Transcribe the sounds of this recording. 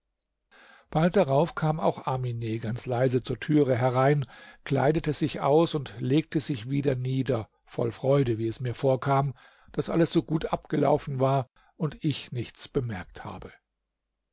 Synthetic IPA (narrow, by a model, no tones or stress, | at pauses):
b̥alt̚d̥aʁaʊfkʰaːma̰ʊxʔamineːɡant͡slaɪzət͡suːɐtʰyːʁəɦɛʁaɪnkl̥a̰ɪdətəzɪçʔa̰ʊsʊntleːk̚təzɪçv̥iːdɐniːdɐ | fɔ̰lfʁ̥ɔʏdəviːɛsmiːɐfoːɐkʰaːm | d̥asʔa̰ləsz̥oːɡuːtʔap̚ɡ̥əla̰ʊfn̩vaːɐ | ʔʊntɪçnɪçt͡sb̥əmɛɐktha̰ːbə